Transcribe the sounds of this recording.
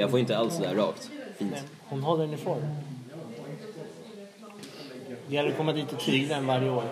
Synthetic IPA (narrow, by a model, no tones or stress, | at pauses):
jɑɡfoːɪnt̪əalsɔd̪æɾɑ̰ːkt̪fiːnt̪ | hʊnɦɔlːəɳːɪfoːɾ | d̪ɪhɛlːəɾkɔmːad̪iːt̪ɔt̪ʰːɾiːɡd̪anvaɾjəoːɾ